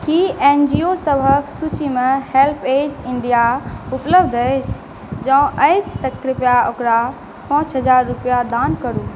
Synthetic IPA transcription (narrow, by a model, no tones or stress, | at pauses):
kiend͡ʒiosəbʱəksut͡ʃimehelpʰed͡ʒiɳɖijaupləbʱd̪ʱəjt͡ʃʰ | d͡ʒãũʔəɪst̪əkːɾɪpjaokɾa | pãt͡ʃɦəd͡ʒaɾːupjad̪ankəɾu